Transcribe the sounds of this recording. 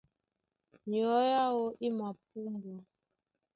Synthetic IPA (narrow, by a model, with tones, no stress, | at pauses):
jɔ˦ja˦wo˦ʔi˦ma˨p̚u˦n˦do˨